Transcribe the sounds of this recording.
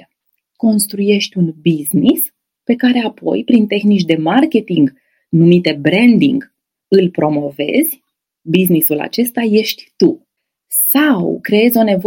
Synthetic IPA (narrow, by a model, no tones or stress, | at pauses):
ko̞nst̪ɾuje̞ʃt̪ʲunbiznis | pe̞kaɾe̞apʰo̞̰jpɾint̪e̞xnit͡ʃd̪e̞markʲe̞t̪iŋɡ | numit̪e̞bɾe̞nd̪ḭŋɡ | ɨlpɾo̞mo̞ve̞̰zʲ | biznisula̰t͡ʃe̞st̪aje̞ʃt̪ʲt̪u | sawkɾe̞e̞zʲo̞ne̞vo